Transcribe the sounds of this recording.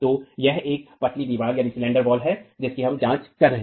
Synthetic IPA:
t̪oːjɛɦeːk̚pɐʈʰlid̪iʋaːljaːnisɪlɛ̃ːɳɖəɾbɔːlɦɛd͡ʒɪskiɦɐ̃md͡ʒãːt͡ʃkɐɾːɐɦẽ

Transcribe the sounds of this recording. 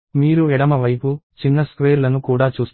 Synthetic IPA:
miːɾuɛɽɐmɐʋɐjput͡ʃinːɐskʋeːɾlɐnukuːɽaːt͡ʃuːs

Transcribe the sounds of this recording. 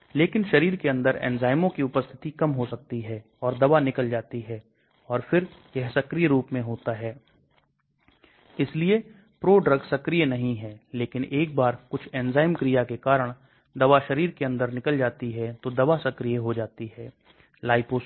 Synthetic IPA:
leːkɪnʃɐɾiːɾkeɐ̃nd̪əɾɛ̰ːnzaːɪmõkiʊpəst̪ʰɪ̥t̪ikɐmɦosɐk̚t̪iɦɛː | ɔːɾd̪ɐʋanɪkəld͡ʒaːt̪iɦɛ | ɔːɾfɪɾjɛɦsɐkɾijɾuːpmẽɦoːt̪aɦɛː | ɪslie | pɾoːɖɾɐɡsɐkɾijnɐɦĩɦɛːleːkɪneːk̚baːɾkʊt͡ʃʰɛːnzaːɪmkɾijakekaːɾəɽ̃ | d̪ɐʋaʃɐɾiːɾkeɐ̃nd̪əɾnɪkəld͡ʒaːt̪iɦɛt̪od̪ɐʋasɐkɾijəɦod͡ʒaːt̪iɦɛː | laːɪpos

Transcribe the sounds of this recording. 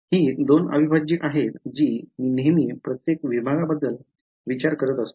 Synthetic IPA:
hiːd̪onə̰bibʱad͡ʑiːʔaɦet̪d͡ʑiːmiːnemiːpɾət̪jekʋibʱaɡabəd̪ːəl | ʋit͡ɕaɾkəɾət̪əst̪o̥

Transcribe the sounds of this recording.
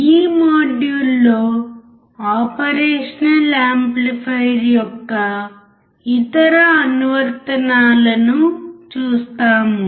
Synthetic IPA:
iːmoːɖjulːoː | aːpɐɾeːʂɐnɐlaːmplipʰɐjɾjɔkːɐ | it̪ɐɾɐːnuʋɐɾt̪ɐnaːlɐnut͡ʃuːst̪aːmu

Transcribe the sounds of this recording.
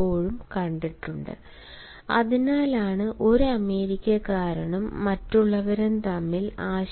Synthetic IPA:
o̞ːɻumkɐɳɖiʈːuɳɖɨ̰ | ɐ̰ðinaːlaːɳɨʔo̞ɾuɐme̞ːɾikʲːɐkaːɾɐɳɐmːɐtːuɭːɐʋɐɾent̪ɐmːilaːɕ

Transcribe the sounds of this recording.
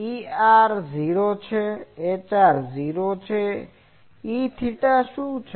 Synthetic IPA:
iaɾziɾot͡ʃʰɛːt͡ʃaɾziɾot͡ʃʰɛ | it̪ʰiʈaʃut͡ʃʰ

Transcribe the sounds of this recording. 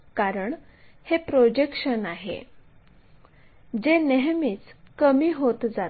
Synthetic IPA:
kaɾəɳ | hepɾod͡ʑekʂənaɦḛ | d͡ʑeneɦmiːt͡skəmiːɦot̪d͡za

